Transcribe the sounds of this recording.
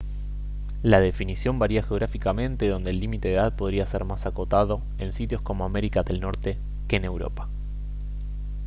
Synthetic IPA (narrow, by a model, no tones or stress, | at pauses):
lað̞e̞finisjo̞mbaɾiaxeo̞ɣɾafikamẽ̞nt̪e̞ðo̞nd̪eːlːimit̪e̞ðeðað̚po̞ð̞ɾiaseɾmasako̞t̪aðo̞ | e̞nsit̪jo̞sko̞moame̞ɾikaðe̞lno̞ɾt̪e̞ | keːne̞wɾo̞̰pḁ